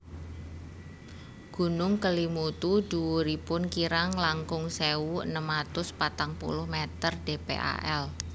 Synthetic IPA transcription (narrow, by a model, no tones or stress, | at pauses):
ɡ̥ṳnʊŋkəlimut̪ud̥uwuɾipʊnkiɾaŋlaŋkʊŋseuə̰nəmat̪ʊspat̪aŋpṵlʊhmet̪ərɖ̥epḛʔa̰ʔɛl